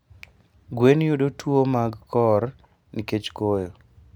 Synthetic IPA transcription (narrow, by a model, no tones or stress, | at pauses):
ɡwenjodotwomaɡkɔr | niket͡ʃkojo